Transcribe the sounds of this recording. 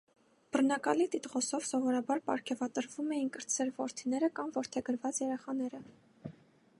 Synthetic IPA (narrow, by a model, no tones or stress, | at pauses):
b̥ərnɑkɑlit̪it̪ʁɔsɔvsɔvɔɾɑbɑɾpɑ̰ɾkʰɛvɑt̪əɾvumɛjinkəɾt͡sʰɛɾvɔɾt̪ʰinɛɾəkɑmvɔɾt̪ʰɛɡəɾvɑt͡sjɛɾɛχɑnɛɾə